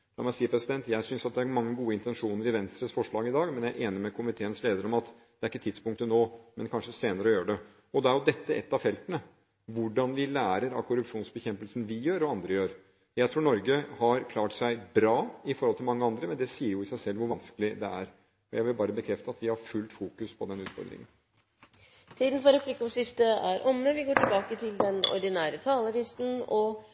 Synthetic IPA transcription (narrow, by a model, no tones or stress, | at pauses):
d̪ɑ̰mæsiːəɾpʰɾɛsɪd̪ɛnt̪jæɪsʏnsɑt̪̚d̪ɛæɾmɑŋːəɡuːəɪnt̪ɛnʂuːnəɾɪʋɛnst̪ɾəsfɔʂɭɑːɡɪd̪ɑːɡmɛnjæɪʔeːnəɾmɛkʰʊmɪt̪ʰeːənsleːd̪əɾɔmɑt̪ | d̪̥ɛæɾɪkːət̪ʰɪd̪spʊŋk̚t̪ənoːmɛnkʰɑnʂəseːnəɾəɔjøːɾəɖɛ | ɔd̪ɛæɾjʊd̪ɛt̪ːəʔɛ̰t̪ːɑʋfɛlt̪ənə | ʋʊɖɑnʋɪlæːɾəɾɑkʰʊɾʉpʂuːnsbəçɛmpəlsənʋɪjøːɾɔɑnd̪ɾəjøːɾ | jæɪt̪ʰɾuːɳɔɾɡəhɑɾkʰlɑːʈsæɪbɾɑːɪfɔɾɔlt̪ʰɪlmɑŋːəɑnd̪ɾəmɛnd̪ɛsiːəɾjʊɪsæɪsɛlːʋʊɾʋɑnskəlɪd̪ɛæɾ | ɔjæɪʋɪlbɑːɾəbəkʰɾɛft̪əɑt̪ʋɪhɑɾfʉlt̪fuːkʉspʰɔd̪ɛnʉːt̪fɔ̰ɾd̪ɾɪ̰ŋən | t̪ʰiːd̪n̩fɔɾɛplɪkːɔmsɪft̪əæɾʔɔmːəʋɪɡoːʈɪlbɑːkət̪ʰɪld̪ɛnɔ̰ɖɪnæːɾət̪ʰɑːləɾɪst̪n̩ɔ